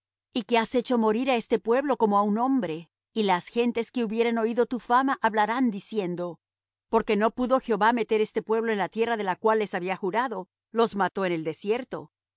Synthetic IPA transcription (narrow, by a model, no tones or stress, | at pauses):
ike̞ase̞t͡ʃo̞mo̞ɾiɾae̞st̪e̞pwe̞βlo̞ko̞moaunõ̞mbɾe̞ | ilasxe̞nt̪e̞ske̞uβje̞ɾe̞no̞iðo̞t̪ufamaʔaβlaɾand̪isje̞nd̪o̞ | po̞ɾke̞no̞puðo̞xjeo̞βame̞t̪e̞ɾe̞st̪e̞pwe̞β̞lo̞enlat̪je̞raðe̞lakwalːe̞saβiaxuɾaðo̞ | lo̞zmat̪o̞ene̞ld̪e̞sje̞ɾt̪o̞̰